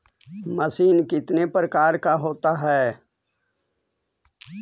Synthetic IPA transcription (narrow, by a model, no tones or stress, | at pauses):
mɐsiːnkɪt̪nepɾəkaːɾkaɦoːt̪aɦɛː